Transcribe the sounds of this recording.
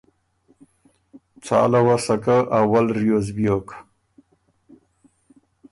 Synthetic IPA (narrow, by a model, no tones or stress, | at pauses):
t͡sʰa̰ːlawasakaʔawalɾjozbjok